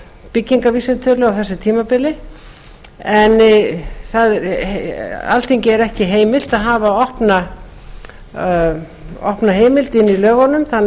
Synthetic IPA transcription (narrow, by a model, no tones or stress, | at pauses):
pɪcːiŋkaviːsɛnt̪ʰœɾlʏawθɛsːɪt̪ʰiːmapɪlɪ | ɛnːθaðɛɾ | a̰lt̪ʰiɲcɪɛɾɛhcɪɦeːjmɪl̥t̪aðɦaːvaɔhpna | ɔ̰hpnaɦeːjmɪlt̪ɪnːilœːɣɔnːʏmθan